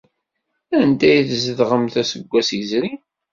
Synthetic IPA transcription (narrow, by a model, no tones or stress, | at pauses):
ænd̪æjθzəðʁəmθæsəɡʷːæsjəzɾi